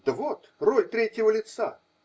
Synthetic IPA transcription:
d̪̥əvot̪rolʲt̪ɾʲetʲjɪvəlʲɪt̪sa̰

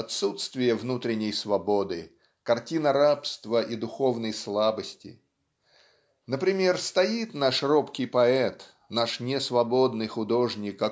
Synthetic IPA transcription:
ɐt̪sut̪st̪vʲɪjəvnut̪ɾʲɪnʲɪjsvɐbod̪ɨ | kɐrtʲinəɾapst̪vəʔid̪ʊxo̞vnəjslˠabəsʲtʲɪ̰ | nəpɾʲɪmʲe̞rst̪ɐit̪naʂropkʲɪjpɐɛt̪ | naʂnʲɪsvɐbo̞d̪nɨjxʊd̪o̞ʐnʲɪkɐ

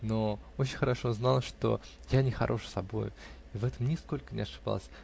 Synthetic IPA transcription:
no̞ot͡ɕɪnʲxəɾɐʂoznalˠʂt̪o̞̰ | janʲɪxɐ̰ɾʔo̞ʂsɐbo̞̰jʊ̰ | ivɛt̪əmnʲɪsko̞lʲkənʲɪ̰ɐʂɨb̥a̰lˠəsʲ

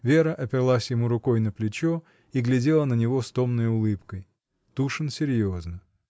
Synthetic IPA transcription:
vʲe̞ɾəʔɐpʲɪrlˠasʲjɪmuɾʊko̞jnəplʲɪt͡ɕo | iɡlʲɪdʲe̞lˠənənʲɪvo̞st̪o̞mnəjʊlˠɨpkəj | t̪uʂɨnsʲɪɾʲjoznə

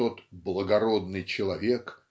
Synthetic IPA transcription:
ot̪blˠəɡɐɾo̞d̪nɨjt͡ɕɪlˠɐvʲek

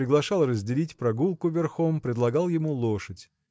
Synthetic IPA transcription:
ɾʲɪɡlˠɐʂɑlˠrəzʲdʲɪlʲitʲpɾɐɡulˠkʊvʲɪrxompɾʲɪd̪lˠɐɡɑlˠjɪmulˠoʂɨtʲ

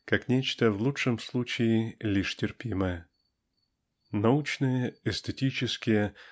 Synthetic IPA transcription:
kaknʲet͡ɕt̪əvlˠuʂɨmslˠut͡ɕɪɪlʲiʂtʲɪrpʲiməjə | nɐut͡ɕnɨjəɛsʲt̪ɪtʲit͡ɕɪskʲɪjə

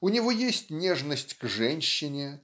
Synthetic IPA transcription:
ʊnʲɪvojesʲtʲnʲeʐnəsʲtʲɡʐɛnʲɕːɪnʲɪ

